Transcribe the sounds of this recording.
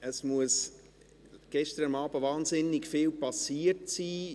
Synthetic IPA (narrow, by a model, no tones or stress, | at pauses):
əsmuəs | ɡ̥ɛʃtəɾəmɑːbəvɑːnzɪnːɪkfɪːlpɑsiːətsiː